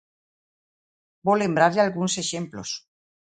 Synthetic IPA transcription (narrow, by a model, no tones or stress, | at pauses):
bole̞mbɾaɾʎalɣunseʃemplos